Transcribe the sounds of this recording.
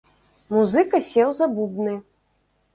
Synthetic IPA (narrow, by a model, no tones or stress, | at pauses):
muzɨkɐsʲɛwzabubnɨ